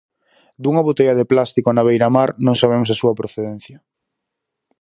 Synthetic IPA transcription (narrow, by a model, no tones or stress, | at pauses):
d̪uŋɐβot̪eʎɐðeplast̪ikoanaβejɾamaɾnõŋsaβ̞emosasuɐpɾoθeðen̟θjɐ